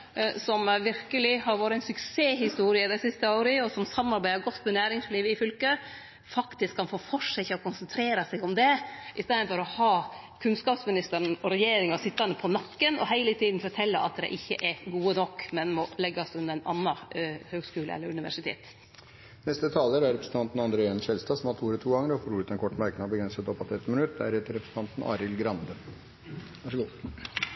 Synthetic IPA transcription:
sɔmʋɪɾkəlɪhɑɾʋoːɾəæɪnsʉkseːɦɪst̪uːɾɪəd̪æɪsɪst̪əoːɾəɔsɔmsɑmːɑɾbæɪəɾɡɔt̪ːmɛnæːɾɪŋsliːʋəɪfʏlkə | fɑkt̪ɪskʰːɑnfoːfɔʂɛçɔkʊnsənt̪ʰɾeːɾɑsæɪɡɔmd̪ɛʔɪst̪eːɾənfɔɾɔhɑː | kʰʉnskɑːpsmɪnɪst̪əɾənɔɾɛjeːɾɪŋɑsɪt̪ːɑnəpʰɔnɑkːənɔɦæɪlət̪ʰiːd̪n̩fɔʈʰɛlːəʔɑ̰t̪̚d̪ɛ̰ʔɪçːə̰ʔɛɡuːənɔkːmɛnmɔlɛɡːɑsʉnːəɾɛnʔɑ̰nːɑhøːɡskʉːlə̰ɛ̰lːəɾʉnɪʋæ̰ʂɪt̪ʰḛːt̪ | nɛst̪ət̪ʰɑːləɾæɾɛpɾəsn̩t̪ɑnt̪n̩ɑnd̪ɾeːɛnʂɛlst̪ɑːsɔmhɑt̪ʰuːɾət̪ʰuːɡɑŋːəɾɔfoːɾuːɾət̪ɛnkʰɔʈːmæɾknɑbəɡɾɛnsət̪ɔpːɑt̪ɛt̪ːmɪnʉt̪̚ːd̪æ̰ɾɛt̪əɾɛpɾəsn̩t̪ʰɑnt̪n̩ʔɑ̰ːɾɪlɡɾɑnd̪ə | ʋɑʂəɡuː

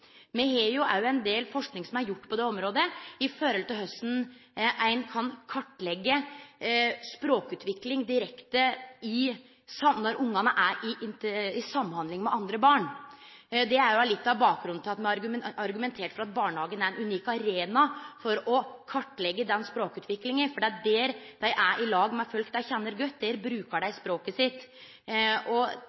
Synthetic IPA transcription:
mɛheːjʊʔæ̰ɾjʊæɪnd̪eːlfɔʂknɪŋsɔmæɾjʊʈːpʰɔd̪ɛɔmɾoːd̪əɪfɔɾɛlt̪ɪɦœst̪n̩ʔæɪnkʰɑnkʰɑʈːlɛɡːə | spɾoːkʉːt̪ʰʋɪklɪŋd̪ɪɾɛkt̪əɪ | sɑmnɔɾʔʊŋːɑnəʔæɾɪʔɪnt̪ɪsɑmːhɑnd̪lɪŋmɛʔɑnd̪ɾəbɑːɳ | d̪ɛæɾjʊɑlɪt̪ːɑʋbɑːk̚ɡɾʉnt̪ʰɪlɑt̪mɛɾɡɑɾɡʉmɛnt̪ʰeːʈfɔɾɑt̪̚bɑːɳhɑːɡənæɾɛnʉniːkɑɾeːnɑfɔɾɔkʰɑʈːlɛɡːəd̪ɛnspɾoːkʉːt̪ʋɪklɪŋənfɔɖɛːɑt̪̚d̪ɛːɾd̪̥æɪʔæʔɪlɑːɡmɛæfœlkd̪æɪçɛnːəɾɡœt̪ːd̪ɛɾbɾʉːkəɖæɪspɾoːkəsɪt̪ː | ɔ

